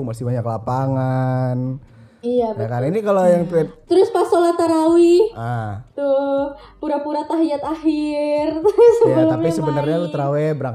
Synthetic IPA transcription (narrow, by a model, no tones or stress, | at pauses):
masɪbaɲaklapaŋan | ijabakaɾinikalojaŋt̪uɛt̪t̪ɾʊspasolat̪aɾawiat̪ʊh | puɾapuɾat̪aɦiat̪ahirsəabəlʊt̪aɲpisəbənərɲalut̪əɾawɛbəɾak